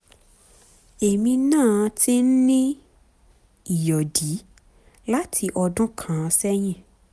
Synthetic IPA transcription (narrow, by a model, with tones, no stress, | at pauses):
e˨mĩ˧nãː˦˨˧ti˦n̩˦nĩ˦ | i˨jɔ˨di˨˦ | la˦tʰi˧ʔɔ˧dʊ̃˦kʰã˨˧sɛ˦ɲɛ̃˦˨